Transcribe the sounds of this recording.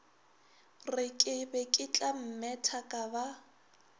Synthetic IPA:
rɪkʼɪbekʼɪt͡ɬʼam̩mɛtʰakʼaba

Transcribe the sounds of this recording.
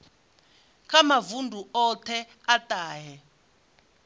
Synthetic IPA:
kʰʼamavundʱuɔtʰɛ | atʼaːɦɛ

